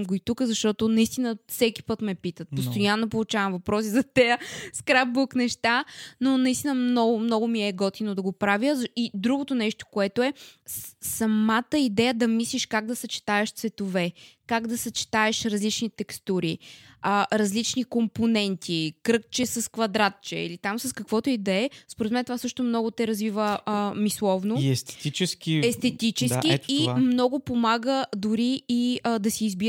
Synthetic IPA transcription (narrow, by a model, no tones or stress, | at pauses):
ɡoit̪ukəzɐʃt̪ɔt̪onɐist̪inəfsɛkʲi̥pɤt̪mɛpit̪ət̪̚post̪ojanːopolˠʊt͡ʃavɐmvɐpɾɔsizɐt̪ɛjəskɾap̚buknɛʃt̪anonɐist̪inəmnɔɡʊmnɔɡʊmiɛɡɔt̪inod̪ɐɡopɾavʲjəzid̪ɾuɡot̪onɛʃt̪o̥koɛt̪oɛ | sɐmat̪əid̪ɛjəd̪ɐmisliʃkaɡ̚d̪ɐsɐt͡ʃi̥t̪aɛʃt̪svɛt̪ovɛkaɡd̪ɐsɐt͡ʃi̥t̪aɛʃɾɐzlit͡ʃnit̪ɛkst̪uɾiəɾɐzlit͡ʃnikomponɛnt̪ʰikɾɤkt͡ʃɛsɐskvɐd̪ɾat̪̚t͡ʃɛ̰ḭlit̪amsɐskɐkvɔt̪oid̪ɛɛspoɾɛt̪mɛnt̪ovasɤʃt̪ʊmnɔɡʊt̪ɛɾɐzvivəəmislˠɔvnoɛst̪ɛ̥t̪it͡ʃɛskiɛst̪ɛt̪it͡ʃɛsiimnɔɡʊpomaɡəd̪ʊɾiːd̪ɐsiːzbi